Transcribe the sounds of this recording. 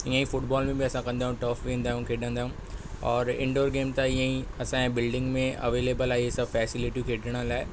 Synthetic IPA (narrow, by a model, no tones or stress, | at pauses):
ĩə̃ĩfʊʈbɔːlmẽbiɐsãkɐ̃nd̪aːɦjũʈəːfʋẽːnd̪aːɦũkʰeːɖə̃nd̪aːɦũ | ɔːɾɪ̰̃ɳɖoːɾɡeːmt̪aɪãĩɐsãɛ̃bɪlɖɪ̃ŋɡmẽɐ̰ʋeːleːbəlaːiesɐbfɛːsɪlɪʈikʰeːɖəɽ̃əlaːɪ